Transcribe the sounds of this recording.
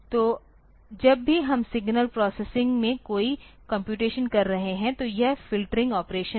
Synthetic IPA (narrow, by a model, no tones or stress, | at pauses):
t̪oː | d͡ʒɐbːʱiɦɐmsɪɡnəlpɾɔːsesɪ̃ŋɡmẽkoːikɐ̃mpjuːʈeːʃənkɐɾːɐɦeɦɛ̃t̪ojɐɦfɪlʈəɾɪ̃ŋɡɔːpɾeːʃə̃